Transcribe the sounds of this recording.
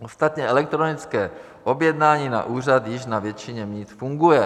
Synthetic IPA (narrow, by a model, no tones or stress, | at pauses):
ost̪at̪ɲɛʔɛlɛk̚t̪ɾonɪt͡skɛː | ʔobjɛd̪naːɲiːna̰ʔuːr̝at̪jɪʃnavjɛt͡ʃɪɲɛmɲiːt̪fuŋɡujɛ